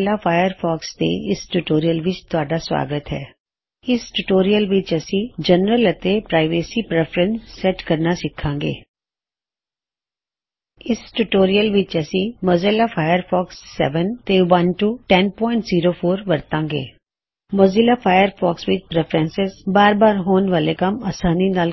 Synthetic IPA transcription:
laːpʰaːjəɾpʰɔːkst̪ḛːɪsʈuʈoːɾijəlʋɪt͡ʃt̪ʊaːɖaːswa̰ːɡət̪ɦɛ̰ː | ɪsʈuʈoːɾijəlʋɪt͡ʃəsĩːd͡ʒənɾələt̪epɾaːɪʋeːsiːpɾɛpʰɾə̃nsːɛʈkəɾnaːsɪkʰãːŋɡḛː | ɪsʈuʈoːɾijəlʋɪt͡ʃəsĩməzɪlaːpʰaːjəɾpʰɔːksːɛ̰ʋənt̪eʋənʈuːʈɛnpɔːɪ̃ɳʈziːɾoːpʰoːɾʋəɾt̪ãːŋɡḛː | mozɪlaːpʰaːjəɾpʰɔːksʋɪt͡ʃpɾɛpʰɾɛ̃nsɪzbaːɾbaːɾɦoːnʋaːlekəmaːsaːniːnaːl

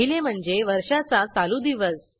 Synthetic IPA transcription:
ilem̤əɳd͡zeʋəɾʂat͡sat͡salud̪iʋəs

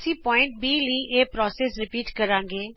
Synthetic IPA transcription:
sĩːpɔːɪ̃ɳʈ̚biːliːʔeːpɾɔːseːsɾɪpiːʈkəɾãːŋɡeː

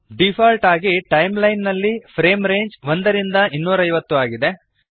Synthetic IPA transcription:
ɖipʰaːlʈaːɡiʈɐjmlɐjnːɐlːipʰɾeːmɾe̞ːɲd͡ʒʋond̪ɐɾind̪ɐinːuːɾɐjʋɐt̪ːuaːɡid̪e̞

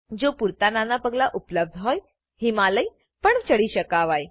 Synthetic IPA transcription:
d͡zopuɾt̪ananapəɡlaʔupləb̚d̪ʱɦɔj | himaləj | pəɳt͡ɕəɽiɕəkaʋaj

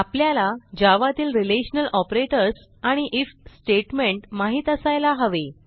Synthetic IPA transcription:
apljalad͡ʑaʋat̪iːlɾileɕənəlʔɔpɾeʈəɾs | aɽ̃iʔifsʈeʈmeɳʈmaɦiːt̪əsajlaɦəʋe

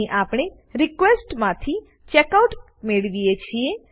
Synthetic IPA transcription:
ʔapɳ̃e | ɾɪkʋesʈmãt̪ʰi | t͡ʃɛkauʈ | meɭʋijet͡ʃʰie

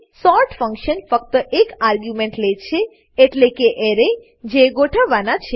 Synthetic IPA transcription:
sɔɾʈfəŋkʃənfək̚t̪əʔekaɾɡjumẽɳʈleʃʰeː | ʈlekeʔeɾe | d͡ʒeɡoʈʰaʋːanat͡ʃʰe

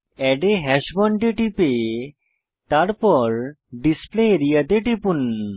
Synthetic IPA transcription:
ɛɖeɦɛʃbɔɳʈeʈipe | t̪aɾpɔɾ | ɖispleeɾijat̪eʈipun

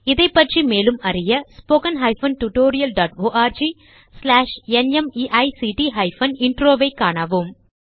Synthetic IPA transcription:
ɪðɐɪpːɐʈrimeːlɯmɐrɪjɐspoːkɐnɦɐɪfɐnʈuʈoːɾɪjɐlɖaːʈoːʔaːɾd͡ʒi | slaːʂɛnɛmiʔɐɪsiʈiɦɐɪfɐnɪɳʈɾoːʋɐɪkːaːɳaːʋɯm

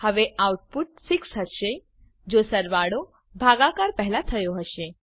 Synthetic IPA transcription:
həʋeawʈ̚puʈ̚siksɦəʃe | d͡ʒosəɾʋaɽo | bʱaɡakaɾpəɦɛlat̪ʰəjoɦəʃe

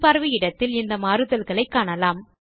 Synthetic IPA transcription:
pɐɾʋijɪɽɐt̪ːɪlɪnd̪ɐmaːɾɯðɐlɣɐɭɐɪkːaːɳɐlaːm

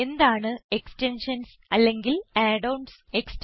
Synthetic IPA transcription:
end̪aːɳɨe̞kstenʂɐns | ɐlːe̞ŋɡilaːɖɐwɳɖs | ekst

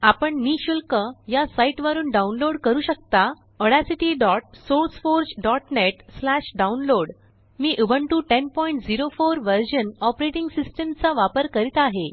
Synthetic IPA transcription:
apəɳniɕulkəjasaiʈʋəɾuːnɖaunloɽkəɾuːɕək̚t̪a | əɽasiʈiɖɔʈ̚soɾsfoɾd͡ʑɖɔʈneʈslæɕɖaunloɽ | miːʔubʱəɳʈuːʈenpɔjiɳʈd͡ziɾofoɾʋəɾd͡ʑənɔpɾeʈiŋɡsisʈemt͡saʋapəɾkəɾit̪aɦe

